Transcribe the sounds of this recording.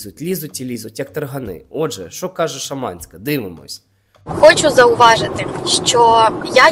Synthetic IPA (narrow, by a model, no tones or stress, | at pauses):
zʊtʲlʲizʊtʲilʲizʊtʲjɐkt̪ɐrɦɐnɪ̰ɔd̪ʒɛ̰ʃɔkɑʒɛʃɐmɑ̰nʲsʲkɐd̪ɪʋɪmɔ̰sʲ | xɔt͡ʃʊzɐʊʋɑʒɪt̪ɪʃt͡ʃɔja